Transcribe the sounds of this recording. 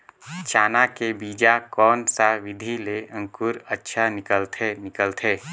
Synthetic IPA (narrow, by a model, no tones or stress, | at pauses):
t͡ʃaːnakebiːd͡ʒakɔːnsaʋɪd̪ʱileə̃ŋkʊɾətːʃʰanɪkəlt̪ʰenɪkəlt̪ʰeː